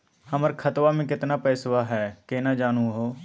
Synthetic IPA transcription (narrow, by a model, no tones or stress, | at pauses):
hɐməɾkʰɐt̪wamẽkɪt̪napɛːswaɦɛːkenad͡ʒaːnũɦoː